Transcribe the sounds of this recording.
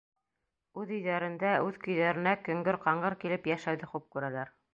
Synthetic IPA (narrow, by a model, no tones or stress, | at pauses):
ʉðɵ̆jðæɾɘ̆nd̪æʔʉðkɵ̆jðæɾɘ̆nækɵ̆ŋɡɵɾqɑɴɢɤɾkilɘpjæʃæwðɘχup̚kʉɾælæɾ